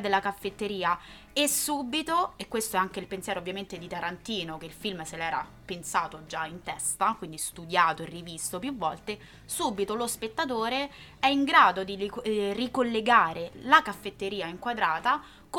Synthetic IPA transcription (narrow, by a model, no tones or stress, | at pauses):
d̪elːakafːet̪ːeɾiːa | esːuːbit̪oekːwest̪oɛaŋk̟eilpensjɛːɾovːjament̪ed̪it̪aɾant̪iːnok̟eilfilmselɛːɾa̰ | pensaːt̪od͡ʒaint̪ɛst̪akwind̪ist̪ud̪jaːt̪oirːiviːst̪opjuvːɔlt̪e | suːbit̪olospet̪ːat̪̬oːɾe | ɛiŋɡɾaːd̪od̪irikolːeɡaːɾelakafːet̪ːeɾiːaiŋkwad̪ɾaːt̪a | k